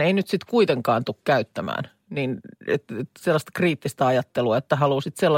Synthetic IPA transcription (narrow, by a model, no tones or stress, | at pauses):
einyt̪sit̪kuit̪eŋkɑːnt̪ukkæyt̪ːæmæ̰ːn | niːnḛt̪eselːɑst̪ɑ̥kriːt̪ːist̪æɑjɑt̪ːeluɑet̪ːæhɑluːsit̪selːɑ